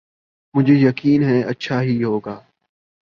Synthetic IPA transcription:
mʊ̃d͡ʒʱeːjəkiːnɦɛːʔətːʃʰaːɦiɦoːɡaː

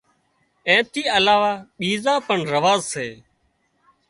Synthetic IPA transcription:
ɛ̃ːt̪iːəlaːʋaːɓiːzãːpəɳɾəʋaːzseː

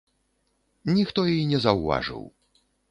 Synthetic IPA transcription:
nʲixt̪ɔjinʲɛzɐwva̰ʐɨ̰w

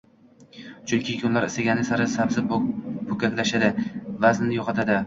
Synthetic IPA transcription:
t͡ʃʰʊkʲʰɪkʰʲʊnlaɾɪst̪aɡʲanɪsaɾɪsabzɪbʊkʲakʲlaʃad̪ɪvaznnɪjoqʰɑt̪ʰad̪ɪ

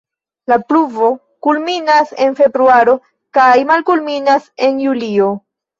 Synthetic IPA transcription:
lapluvo̞ | kulminase̞nfe̞bɾuaɾo̞ | kajmalkulminase̞njulio̞

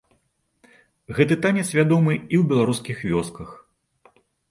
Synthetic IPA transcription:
ɣɛt̪ɨt̪anʲɛt̪sʲvʲad̪ɔmɨiwbʲɛlˠaɾuskʲixvʲɔskɐx

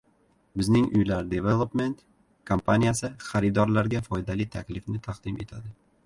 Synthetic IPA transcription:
bɪznɪŋʊ̰jlaɾd̪evelˠopme̞nt̪ | kʰompʰanijasɪχaɾɪd̪ɒɾlaɾɡʲafɒjd̪alit̪ʰakʲlɪfnɪt̪ʰaqd̪̥ɪme̞̰t̪ʰad̪ɪ

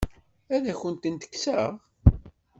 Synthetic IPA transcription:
æðæçənt̪ənt̪ə̥kːsəʁ

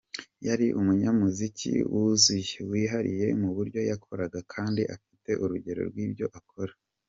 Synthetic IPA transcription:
jaɾiʔumuɲamuzicʰḭwuzujewiːɦaɾḭje̞muβuɾɟo̞jakʰo̞ɾaɡakʰaːndiʔafi̥te̞ʔuɾuɟe̞ɾo̞̰ɾɡwiːbɟo̞ʔakʰo̞ɾḁ

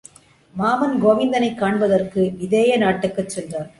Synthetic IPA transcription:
maːmɐnɡoːʋɪnd̪ɐnɐɪkːaːɳbɐðɐrkɯʋɪðeːjɐnaːʈːɯkːɐt͡ʃːɛnd̪aːɾ

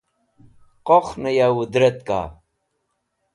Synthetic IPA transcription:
qoχnɐjawud̪ɾɐt̪ka̰ː

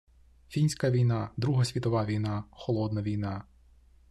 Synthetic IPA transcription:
fʲinʲsʲkɐʋʲijnɑd̪ɾuɦɐsʲʋʲit̪ɔʋɑʋʲijnɑxɔlˠɔd̪nɐʋʲijnɑ

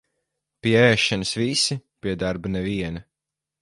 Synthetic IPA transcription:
pʲiɛɛːʃanɨsvisipʲiɛd̪aɾbɐnɛviɛnɐ

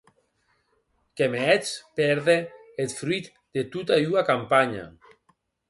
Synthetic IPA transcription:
kemeɛt͡spɛɾðeet̪fɾwit̪ | d̪̥et̪ut̪auakampaɲa̰

